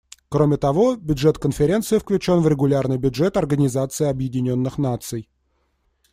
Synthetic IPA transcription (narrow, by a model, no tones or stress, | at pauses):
kɾo̞mʲɪt̪ɐvo̞bʲʊdʐɛt̪kənfʲɪɾʲe̞nt̪sɨɪfklʲʉt͡ɕo̞nvɾʲɪɡʊlʲarnɨjbʲʊdʐɛt̪ɐrɡənʲɪzat̪sɨɪɐbjɪdʲɪnʲo̞nːɨxnat̪sɨj